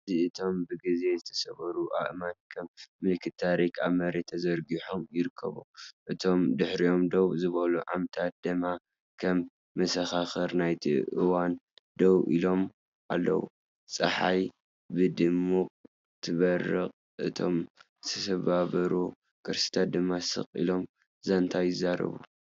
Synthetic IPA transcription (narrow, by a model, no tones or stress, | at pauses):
ziɨt̪ʰo̞mbɨɡize̞zɨt̪ʰɐ̥sɐβɐɾuʔa̰ʔmat̪̚kʰɐmːɨlkʰɨt̪t̪ʰːaɾikʰa̰mɐɾet̪ʰɐzɐɾɡiħomjɪɾɨkʰːɐ̰βṵʔɨt̪ʰo̞md̪ɨħɾio̞md̪owzɨβɐluʕa̰mt̪ʰat̪̚d̪̥ɨma | kʰɐmː | ɐsɐxaxɐɾnajt̪ʰḭʔɨ̰wand̪owʔḭlo̞m | ʔalːɐ̰wṵ | t͡sʼɐ̰ħaj | bɨd̪ɨmːukʼ | t̪ʰɨβɐrːɨqʼ | ʔɨt̪ʰo̞̰m | sʰɐsɐβaβɐɾu | kʰɨɾsi̥t̪ʰat̪̚d̪ɨmːasɨ̰qʼḭlo̞m | zɐnt̪ʰajɪzːaɾɐ̰βṵ